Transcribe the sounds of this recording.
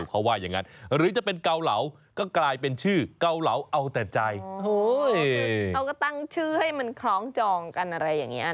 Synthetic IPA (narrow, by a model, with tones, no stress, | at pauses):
wkʰa˦˥˩waː˥˩ja˨˩ŋa˦˥nɾɯː˩˦˥t͡ɕa˨˩pe˧nka˧wla̰˩˦˥w | kɔː˥˩klaː˧jpe˧nt͡ɕʰɯː˥˩ka˧wla˩˦wʔa˧wt̪ɛː˨˩t͡ɕa˧jo˦˥˧ | a˧wkɔ˥˩t̪a˥˩ŋt͡ɕʰɯː˥˩ha˥˩jma˧nkʰɾɔː˦˥ŋt͡ɕɔː˧ŋka˧nʔa˧ɾa˧jːaː˨˩ŋːi˦˥ɐ